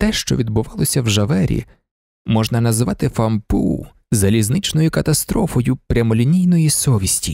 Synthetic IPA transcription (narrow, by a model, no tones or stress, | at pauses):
t̪ɛʃt͡ʃɔ̰ʋʲid̪bʊʋɑlˠɔsʲɐwʒɐʋɛɾʲḭ | mɔʒnɐnɐzʋɑt̪ɪfɐmpṵ | zɐlʲiznɪt͡ʃnɔjʊkɐt̪ɐst̪ɾɔfɔjʊpɾʲɐmɔlʲinʲijnɔjisɔʋʲisʲtʲi